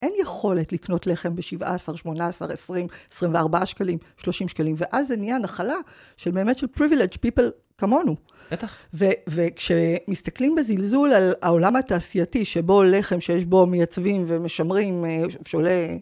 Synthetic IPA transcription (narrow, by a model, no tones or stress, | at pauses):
ʔenjeχo̞le̞tlikno̞tle̞χe̞mbeʃiva̰ːsaʁʃmo̞naːsa̰ʁesʁimesʁimveaʁbaaʃkalimʃlo̞ʃimʃkalimve̞ʔazːenijanaχala | ʃelbeːmetʃelpʁiviled͡ʒpipel | kamo̞nu | bet̪avevekʃemistaklimbezilzulalao̞lamhataːsijatiʃebo̞leχe̞mʃejeʃbo̞mejat͡svimvemeʃamʁimʃeole